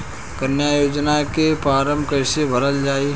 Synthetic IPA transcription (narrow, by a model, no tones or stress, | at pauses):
kənjajoːd͡ʒnakepɾaːɾəmbkɐɪsebʱəɾəld͡ʒaːi